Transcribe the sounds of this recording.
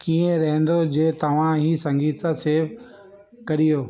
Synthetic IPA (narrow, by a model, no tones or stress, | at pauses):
kiːẽɾɐɦɛ̃nd̪od͡ʑeːt̪ɐʋ̤ãɦiːsɐ̃ŋɡiːt̪sãseːf | kɐɾijoː